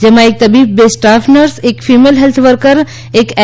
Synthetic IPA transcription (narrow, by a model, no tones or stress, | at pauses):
d͡ʒemãek̚t̪əbib̚besʈapʰnəɾsekfʰimelɦelt̪ʰʋəɾkəɾ | ekɛ